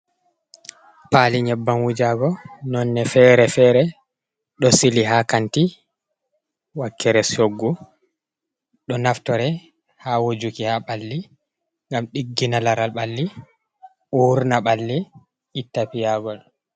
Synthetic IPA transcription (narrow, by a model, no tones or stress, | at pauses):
paliɲɛbːanwud͡ʒaɡɔnɔnːɛfɛɾɛfɛːɾɛ | ɗɔsiliɦakanti | wakːɛɾɛsoɡːu | ɗɔnaftɔɾɛ | hawod͡ʒukihaɓalːi | ŋɡamɗiɡːinalaɾalɓalːi | ʔuɾnaɓalːiː | tːapijaɡɔl